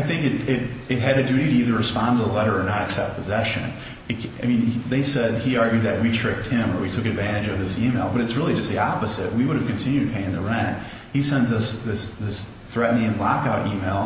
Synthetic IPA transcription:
aɪθɪ̃ŋkɨɾɪɾɨt̚ɦɨɾɨdʉɾiɾɨiðə˞ɹɨspɑ̃ntəðəlɛɾə˞ːnəɾɨksɛp̚t̚pʰɨzɛʃɨ̰̃n | ɨt̚aɪmĩnðeɪsɛd̚iɑɹɡjʉd̪̚ðɨt̚witʰɹ̥ɪf̚t̚hɪ̃mə˞witʰʊkɨdvæ̃ɾ̃ɨd͡ʒʌvðɪsimeɪlˠbʌɾɨtsɹɪlˠid͡ʒʌst̪ðiɑpəzɨt̚wiwʊɾɨv̥kɨ̃n̩tʰɪ̃njʉd̚pʰeɪɪ̃ŋðɨɹɛ̃nt̚ | hisɛ̃ndzʌsðɪsðɪs | θɹɛʔn̩ɪ̃ŋɨ̃nlɑkaʊɾʔimeɪlˠ

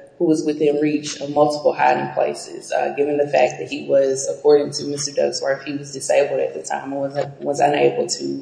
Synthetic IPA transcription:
huwʌzwɨθɪ̃nɹit͡ʃʌmʌlˠtə̥pl̩ˠɦaɪɾɪ̃ŋpʰl̥ḛɪsɪ̰z̥ʌ̰ɡɪvɨ̃nðɨfæk̚ðɨt̚hiwʌzəkʰɔɹɾɪ̃ŋtʰɨmɪstə˞dʌ̰ɡzwə˞fhiwʌzdɨseɪbl̩ˠɾɨt̪̚ðɨtʰã̰ɪ̃mwʌzwʌzə̃nḛɪbl̩ˠtʰɨ

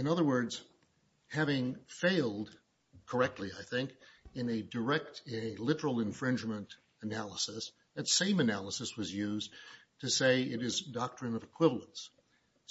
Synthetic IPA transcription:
ɨ̃nʌðə˞wɜ˞dz̥ | hævɪ̃ŋfeɪlˠd | kʰə˞ɛk̚tˡliaɪθɪ̃ŋkɨ̃nɨdə˞ɛk̚tɪ̃nɨlɪɾə˞l̩ˠɨ̃ɱfɹɪ̃nd͡ʒmə̃nt | ɨnælˠəsəs | ðɨtsẽɪ̃mɨnælˠəsɨswʌzjʉztʰɨseɪɪɾɨzdɑk̚tɹ̥ɨ̃nʌvɨkʰw̥ɪvl̩ˠə̃nts

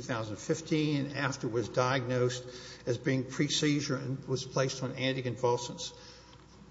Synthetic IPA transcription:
θaʊzə̃ndnfɪftʰĩnɨ̃næftə˞wʌzdaɪɨɡ̚noʊstɨzbiɪ̃ŋpʰɹ̥isiʒə˞ɨ̃nwʌz̥pʰl̥eɪstn̩æ̃ntɨkɨ̃nvɑlˠsə̃ns

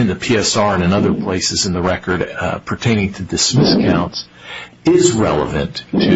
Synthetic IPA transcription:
ɨ̃nðɨpʰiɛsɑɹɨ̃nɨ̃nʌðə˞pʰl̥eɪsɨzɨ̃nðəɹɛkə˞ɾpʰə˞tʰẽɪ̃nɪ̃ŋtʰɨdɨsmɪskʰãʊ̃nts | ɪzɹɛ̰lˠə̰vɨ̰̃ntʰɨ

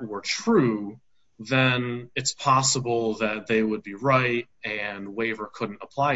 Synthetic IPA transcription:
wə˞tʰɹ̥u | ðɨ̃nɨtspʰɑsəbl̩ˠðɨt̪̚ðeɪwəd̚biɹaɪt | ɨ̃nweɪvə˞kʰʊdⁿn̩təpʰl̥aɪ

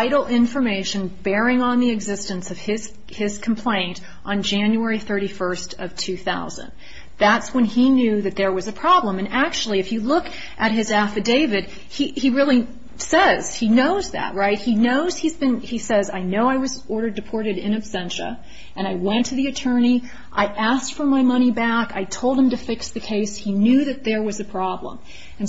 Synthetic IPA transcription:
ɪɾl̩ˠɪ̃ɱfə˞meɪʃɨ̃nbɛɹɪ̃ŋə̃nðiɨɡzɪstɨ̃nsʌv̥ɪz̥ | ɪz̥kʰm̩pʰl̥ẽɪ̃nt | ʔn̩d͡ʒæ̃njuɛɹiθɜ˞ɾifɜ˞stʌv̥tʰʉθaʊzɨ̰̃n | ðætswə̃ninjʉðɨt̪̚ðə˞wʌzɨpʰɹ̥ɑblə̃mɨ̃næk̚t͡ʃul̩ˠiɨfjɨlʊk | ʔɨt̚ɦɨzæfɨdeɪvɨd̥̚ | iiɹɪlˠi | sɛz̥inoʊzðæ̰t̚ɹaɪt̚hinoʊz̥hizbɨ̃nisɛza̰ɪnoʊaɪwʌzɔɹɾə˞dɨpʰɔɹɾɨɾɪ̃nɨb̥sɛ̃nʃɨ̰ | ʔɨ̃ɾ̃aɪwɛ̃ntʰɨðiɨtʰɜ̃˞ñi | ʔaɪʔæsktfə˞maɪmʌɾ̃ibæka̰ɪtʰoʊlˠd̚ɨ̃mtɨfɪksðɨkʰeɪshinjʉðɨt̪̚ðə˞wʌzɨpʰɹ̥ɑblə̰̃m | ɨ̃n

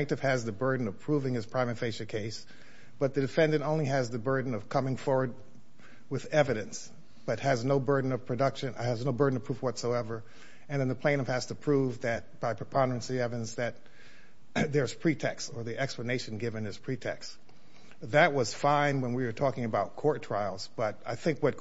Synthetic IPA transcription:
k̚tɨv̥ɨzðɨbɜ˞dⁿn̩ʌv̥pʰɹ̥uvɪ̃ŋɨz̥pʰɹ̥ãɪ̃mɨ̃nfeɪʃɨkʰeɪs | b̥ʌt̪̚ðɨdɨfɛ̃ndɨ̃ntõʊ̃nliɨzðɨbɜ˞dⁿn̩ʌv̥kʰʌ̃mɪ̃ŋfɔɹwə˞d̚ | wɨðɛvɨɾɨ̃ns | b̥ʌt̚hɨznoʊbɜ˞dⁿn̩ʌv̥pʰɹ̥ɨdʌkʃɨ̃nɨznoʊbɜ˞dⁿn̩ʌvpʰɹufwʌtsoʊɛvə˞ | ɨ̃nðɨ̃nðəpʰl̥ẽɪ̃nʌv̥hæz̥tɨpʰɹ̥uvðɨt̚b̥aɪpʰɹ̥əpʰɑ̃ndə˞ɨ̃nsiɛvɨ̃nzðɨt̪̚ | ðə˞z̥pʰɹ̥itʰɛkstə˞ðiʔɛkspləneɪʃɨ̃n̩ɡɪvɨ̃nɨz̥pʰɹ̥itʰɛ̰ks | ðɨt̚wʌz̥fãɪ̃nwə̃nwiwə˞tʰɔkɪ̃ŋɨbaʊt̚kʰɔɹtʰɹ̥aɪlˠzb̥ʌɾaɪθɪ̃ŋkwʌt̚

